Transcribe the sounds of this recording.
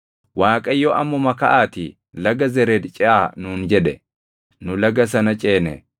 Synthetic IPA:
waːkʼɐjːɔʔɐmːɔmɐkɐʔaːt̪ɪ | lɐɡɐzɛɾɛd̪t͡ʃʼɛʔaːnuːnd͡ʒɛᶑɛ | nʊlɐɡɐs̬ɐnɐt͡ʃʼeːnɛ̰

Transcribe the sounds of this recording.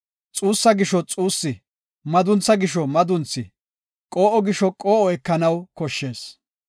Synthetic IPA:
t͡sʼuːsːɐɡɪʃɔt͡sʼuːsːɪ | mɐd̪ʊnt͡sːɐɡɪʃɔmɐd̪ʊnt͡sːɪ | kʼoːʔɔɡɪʃɔkʼoːʔɔɛkːɐnɐwkɔʃːe̞ːs

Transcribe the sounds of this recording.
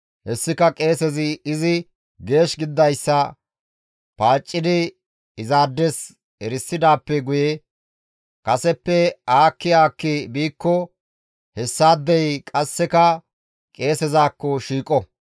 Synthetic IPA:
hɛsːɪkɐkʼe̞ːsɛzɪɪzɪ | ɡe̞ːʃɡɪd̪ːɐjsːɐ | paːt͡ʃʼːɪd̪ɪ | ɪzaːd̪ːɛs | ɛɾɪsːɪd̪aːpːɛɡʊjɛ | kʼɐsɛpːɛaːkːɪaːkːɪbiːkːɔ | hɛsːaːd̪ːɛjkʼɐsːɛkɐ | kʼe̞ːsɛzaːkːɔʃiːkʼːɔ

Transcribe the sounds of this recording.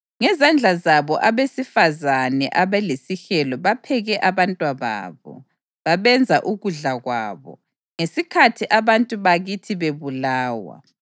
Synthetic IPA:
ŋɛzand͡ɮʱazaβɔʔaβesifazanɛʔaβɛlesixɛlɔβapʰɛɣɛʔaβantʼwaβa̰ːβɔ̰ | βaβɛnd͡zʱaʔuɣuɮaɣwa̰ːβɔ̰ | ŋesikʰatʰiʔaβantʼuβaɣitʰiβeβulaːwa̰

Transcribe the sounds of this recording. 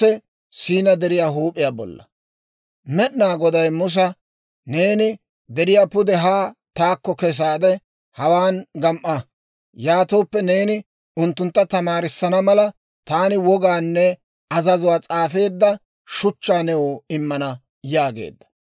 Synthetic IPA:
ɛ | siːnɐd̪ɛɾɪjaːɦuːpʼːɪjaːbɔ̰lːɐ̰ | mɛɗnaːɡɔd̪ɐjmʊs̬ɐ | ne̞ːnɪ | d̪ɛɾɪjaːpʊd̪ɛɦaːt̪aːkːɔkɛs̬aːd̪ɛ | hɐwaːnɡɐmʔɐ | jaːt̪oːpːɛne̞ːnɪ | ʊnt̪ːʊnt̪ːɐt̪ɐmaːɾɪsːɐnɐmɐlɐ | t̪aːnɪwɔɡaːnːɛ | ɐzɐzʊwaːt͡sʼaːfe̞ːd̪ːɐ | ʃʊt͡ʃːaːnɛwoːɪmːɐnɐ | jaːɡḛːd̪ːɐ̥

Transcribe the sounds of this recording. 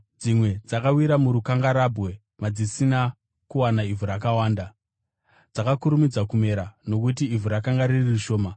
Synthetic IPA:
d͡zimwe̞d͡zakawiɾamuɾukaŋɡaɾabwe̞ | mad͡zisina | kuwanaivuɾakawaːnda | d͡zakakuɾumid͡zakume̞ɾano̞kut̬iːvuɾakaŋɡaɾiririʃo̞ːma

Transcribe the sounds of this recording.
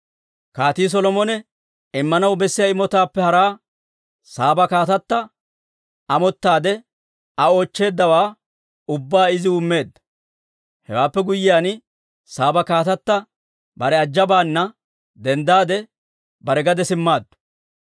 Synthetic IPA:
kaːt̪iːs̬ɔlɔmɔnɛ | ɪmːɐnɐwbɛsːɪjɐɪmɔt̪aːpːɛhɐɾaː | saːbɐkaːt̪ɐt̪ːɐ | ɐmɔt̪ːaːd̪ɛ | ɐo̞ːt͡ʃːe̞ːd̪ːɐwaː | ʊbːaːɪzɪʊmːe̞ːd̪ːɐ̥ | hɛ̰waːpːɛɡʊjːɪjaːn | saːbɐkaːt̪ɐt̪ːɐ | bɐɾɛɐd͡ʒːɐbaːnːɐ | d̪ɛnd̪aːd̪ɛ | bɐɾɛɡɐd̪ɛsɪmːaːd̪ːʊ̥

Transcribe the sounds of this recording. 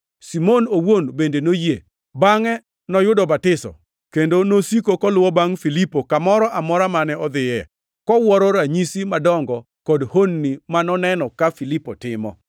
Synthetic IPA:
simonowonbendenoje | baŋɛ | nɔjʊdɔbatɪsɔ̰ | kendonosikokɔlʊwɔbaŋfilipokamɔɾɔʔamɔɾamanɛɔd̪ɪɛ | kɔwɔɾɔɾaɲisimadɔŋɡɔ | kɔdhonːimanɔnɛnɔkafilipɔtɪmɔ̰

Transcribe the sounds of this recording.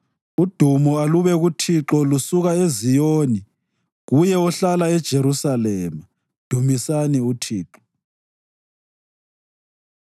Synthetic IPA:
ud̥ʱumɔaluβɛɣutʰiǁɔlusuɣaezijoːni | ɣujɛɔɬalaɛd̥ʒ̥ʱeɾusalɛːma | d̥ʱumisaniutʰiːǁɔ̥

